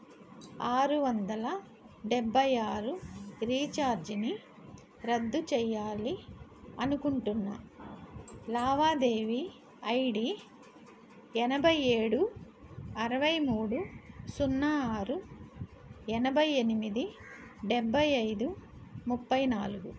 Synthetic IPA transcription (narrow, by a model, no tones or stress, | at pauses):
aːɾuʋɐnd̪ɐlɐ | ɖebʱːɐjaːɾuɾiːt͡ʃaːɾd͡ʒini | ɾɐd̪ːut͡ʃɛjːaːliɐnukuɳʈunːɐ̰ | laːʋaːd̪e̞ːʋi | ɐjɖi | ɛnɐbʱɐje̞ːɽu | ɐɾɐʋɐjmuːɽusunːaːaːɾu | ɛnɐbʱɐjenimid̪iɖebʱːɐjɐjd̪u | mupːɐjnaːluɡu